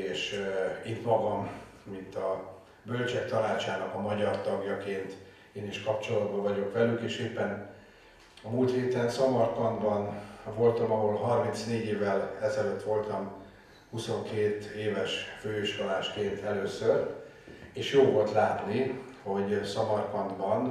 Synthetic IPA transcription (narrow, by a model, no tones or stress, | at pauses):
eːʃit̪mɒɡɒmː | int̪ɒ | bølt͡ʃɛk̚t̪ɒnaːt͡ʃaːnɒkɒmɒɟɒrt̪ɒɡjɒkeːnt̪ | eːniʃkɒp̚t͡ʃo̞lɒd̪bɒvɒɟo̞kʋɛlykeːʃeːpːɛn | ɒmuːlt̪heːt̪ɛnsɒmɒrkɒnd̪bɒnvo̞lt̪ɒmɒɦolɦɒrminsneːɟeːvɛlɛzɛløt̪ːʋo̞lt̪ɒm | huso̞ŋkeːt̪eːvɛʃføːøʃkɒlaːʃkeːnt̪ɛløːsøɾ | eːʃjoːvo̞lt̪laːpniho̞ɟsɒmɒrkɒnd̪bɒn